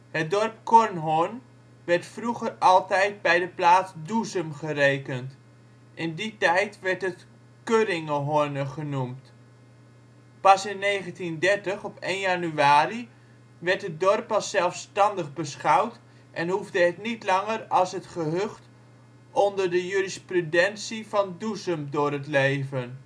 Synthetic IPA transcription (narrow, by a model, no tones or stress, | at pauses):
hət̚dɔrp̚kɔɹnɦʊɹn | ʋɛɹtfruχərɑlˠtɛjt̚bɛjdəplaːsduzəmχərejkənt | ʔɪnditɛjtʋɛɹtət | kørɪŋəɦɔɹnəχənumt | pɑsɪnːejχəntindɛɹtəχɔpejnjanyaːri | ʋɛɹtədɔrpːɑsɛlˠfstɑndəχbəsχɑwt | ʔɛnɦuvdəɦətnitlɑŋərɑlˠsɦətχəɦɵχt | ɔndəɹdəjyrisprudɛnsivɑnduzəmdʊːɾɦətlejvən